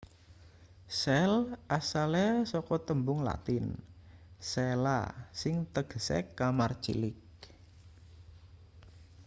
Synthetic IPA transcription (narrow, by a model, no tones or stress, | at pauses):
sɛlʔasalɛsɔkɔt̪əmbʊŋla̰t̪ɪn | sɛla̰sɪŋt̪əɡ̥əsɛ̰kːamart͡ʃḭlɪk̚